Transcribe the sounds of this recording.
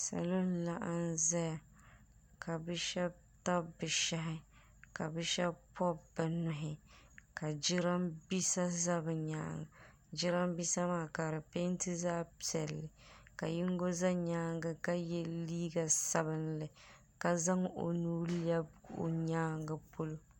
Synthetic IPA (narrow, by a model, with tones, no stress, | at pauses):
sa̰˨lo˦nla˨ʔa˦n˦za˦ja˨ | kʰa˨bɨ˦ʃɛ˦b̚ | ta˦bɨ˨ʃa˦ɦɪ˦ | ka˨bɨ˦ʃɛ˦bpʰɔ˦bɨ˨nʊ˨ɦɪ˨ka˨d͡ʒɪ˦ɾa˦mbi˦sa˦za˦bɨ˨ɲa̰ː˦ŋ˨ | d͡ʒɪ˦ɾa˦mbi˦sa˦maː˦˨ka˨ɾɨ˨pe˦ntɨ˦zaː˦pi˨ɛ˨lːɪ˨ka˨jɪ˦ŋɡo˦za˦ɲaː˦ŋɡɨ˦ka˦jɛ˦liː˦ɡa˨sa˦bɨ˦nlɨ˨ | ka˦za˦ŋo̰˨nuː˦lɛ˦bo̰˨ɲaː˦ŋɡɨ˨po˦lo˦